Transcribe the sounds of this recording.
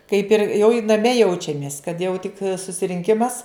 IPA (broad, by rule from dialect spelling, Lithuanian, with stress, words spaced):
kɐɪp ɪr jɛʊ ɪ nɐˈmʲɛ ˈjɛʊt͡ʃʲɛmʲeːs kɐt ˈjɛʊ tʲɪk sʊsʲɪrʲɪŋʲˈkʲɪmɐs